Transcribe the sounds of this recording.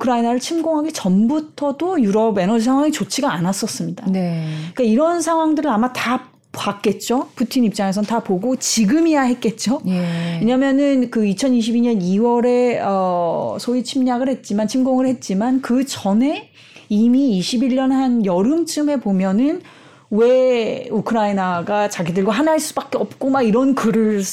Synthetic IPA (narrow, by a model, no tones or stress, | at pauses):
ukʰɯɾainaɾɯɭt͡ɕʰimɡoŋɦaɡe̞t͡ɕʌnbutʰʌdojuɾʌbe̞nʌd͡ʑisʰaŋɦwaŋit͡ɕot͡ɕʰiɡaːnas͈ʌs͈ɯmɲidanik͈aiɾʌnsʰaŋɦwaŋdɯɾɯɭamata | pak̚k͈e̞t̚t͡ɕ͈opʰutʰinip̚t͡ɕ͈aŋe̞sʰʌntapoɡot͡ɕiɡɯmijaɦe̞t̚k͈e̞t̚t͡ɕ͈oeɲamjʌnɯnkɯit͡ɕʰʌniɕ̬ʰibiɲʌniwʌɾe̞ʌsʰoit͡ɕʰimɲaɡɯɭhe̞t̚t͡ɕ͈imant͡ɕʰimɡoŋɯɭhe̞t̚t͡ɕ͈imankɯt͡ɕʌne̞ | imiːɕʰibiʎːʌnhanjʌɾɯmt͡ɕʰɯme̞pomjʌnɯn | we̞ukʰɯɾainaɡat͡ɕaɡidɯɭɡwaɦanɦaɭs͈ubak͈eʌp̚k͈omaiɾʌnkɯɾɯɭ